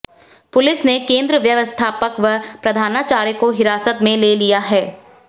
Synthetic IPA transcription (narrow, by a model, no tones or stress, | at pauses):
pʊlɪsnekẽːnd̪ɾəʋjɐʋəst̪ʰaːpəkʋəpɾɐd̪ʱaːnaːt͡ʃaːɾjəkoɦɪɾaːsət̪mẽleːlijaɦɛː